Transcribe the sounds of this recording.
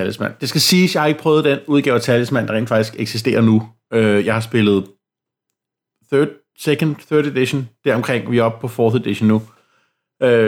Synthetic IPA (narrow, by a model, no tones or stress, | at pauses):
æləsmæn̰d̥e̝sɡ̥æsiːsjɑ̈ɪɑe̝ɡ̥əpʰʁœːʊð̩ˠd̥enuð̞ˠɡ̥ɛ̰ːʊɐt͡sʰæləsmæn̰d̥ʁḛːn̥dfɑ̈ɡ̥d̥isɡ̥eɡ̥sisd̥e̝̰ːɐnu | øjɑ̈ɪhɑ̈sb̥e̝lð̞̩ˠ | θød̥ | sekʰən̥θœɐded̥iɕond̥æɐ̰ɒ̽mkʰʁeŋ̰ʋiɒ̽b̥̚pʰɒ̽fɒːðed̥iɕonːu | ø